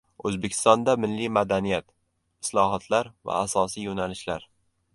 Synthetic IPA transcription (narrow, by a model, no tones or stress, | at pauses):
ɵzbekʲʰɪ̥st̪ɒnd̪amɪlːimad̪anijat̪ | ɪslˠɒɦɒt̪ʰlaɾva̰ːsɒsijonalɪʃlaɾ